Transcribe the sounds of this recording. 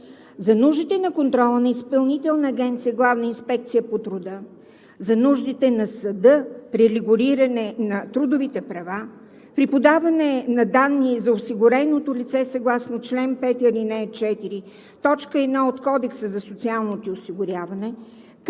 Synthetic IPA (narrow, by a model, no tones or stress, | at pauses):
zɐnuʒd̪it̪ɛnɐkont̪ɾɔlˠənɐispɐlˠnit̪ɛlˠnəːɡɛnt̪sijəɡlˠavnəinspɛk̚t̪sijəpot̪ɾʊd̪ə | zɐnuʒd̪it̪ɛnɐsɐd̪ɤpɾiliɡʊɾiɾɐnɛnɐt̪ɾud̪ʊvit̪ɛpɾɐva | pɾipod̪avɐnɛnɐd̪anːizɐosiɡʊɾɛnot̪olʲit̪sɛsɐɡlˠasnot͡ʃlɛnpɛt̪ɐɾinɛt͡ʃɛt̪iɾi | t̪ɔt͡ʃkəɛd̪naot̪kɔd̪ɛksəzɐsot̪sialˠnot̪iosiɡʊɾʲjavɐnɛ